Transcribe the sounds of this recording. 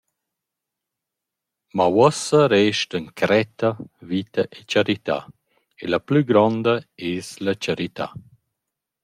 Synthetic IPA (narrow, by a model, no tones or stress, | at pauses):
mawɔsaɾɛːʃtəŋkʰɾɛt̪ɐvit̪ɐʔet͡ʃaɾit̪a̰ | elaplyɡɾɔnd̪aeːslat͡ʃaɾit̪a̰